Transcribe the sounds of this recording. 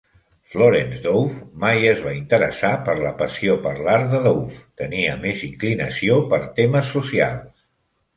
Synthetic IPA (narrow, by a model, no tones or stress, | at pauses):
floɾenzðowfmajəzβaint̪əɾəsapəɾləpəsiopəɾlaɾðəðowft̪əniəmeziŋklinəsiopəɾt̪eməsːusia̰lˠs